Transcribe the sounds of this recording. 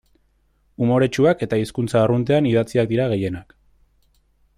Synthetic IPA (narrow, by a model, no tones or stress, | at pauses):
umo̞ɾe̞t͡ʃuake̞t̪aiskunt͡saːrunt̪̬e̞aniðat͡siak̚d̪iɾaɣ̞e̞je̞nak